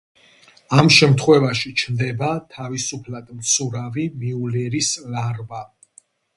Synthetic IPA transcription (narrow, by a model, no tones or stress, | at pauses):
amʃɛmt̪ʰχwɛvaʃit͡ʃʰnd̪ɛbat̪ʰavisupʰlad̪̥mt̪sʰuɾavimiulɛɾislaɾba